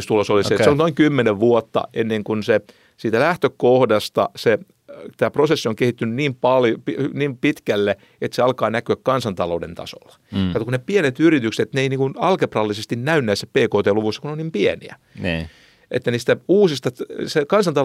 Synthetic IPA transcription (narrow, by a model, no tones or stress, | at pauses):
st̪ulosoliseseolnoiŋkymːeneʋʋuot̪ːɑ̰enːeŋkunse | siːt̪ælæht̪økohdɑst̪ɑ̰se | t̪æːprosesːioŋkehit̪ːynyniːmpɑljpiyniːmpit̪kælːe | et̪seɑlkɑːnækyækkɑnsɑnt̪ɑloudḛnt̪ɑ̰so̰lːɑ̥ɑt̪kuneppienet̪yrit̪ykse̥eet̪neiniːŋkunɑlkeprɑlːisest̪innæynːæːse̥ppeːkoːt̪eːluʋusːɑ̥kunonimpiɛniæ | n | ʔḛt̪ːæniːst̪æuːsist̪ɑsekɑnsɑnt̪ɑ